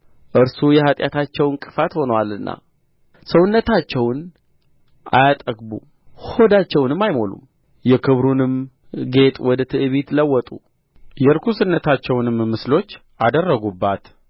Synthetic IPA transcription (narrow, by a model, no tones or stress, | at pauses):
ʔɨɾsujɛhat̪ʼja̰t̪ʰat͡ʃːɛwɨŋkʼɨfat̪ho̞nəwalɨnːʔa̰ | səwʊnːət̪at͡ʃːɛwn | ʔa̰jat̪ʼəɡbṵ | ho̞d̪at͡ʃːɛwnɨmːajmo̞lṵm | jɛkʰɨβɾunɨm | ɡe̞t̪ʼwɔd̪ət̪ʰɨʔɨβit̪ləwːɔt̪ʼu | jɛɾkʰusɨnːət̪ʰat͡ʃːɛwnɨmmːɨslo̞t͡ʃː | ʔad̪ərːəɡubːat̪